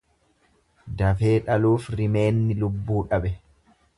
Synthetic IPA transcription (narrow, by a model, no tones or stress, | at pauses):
d̪ɐfe̞ːᶑɐluːfɾɪme̞ːnːɪlʊbːuːᶑɐɓɛ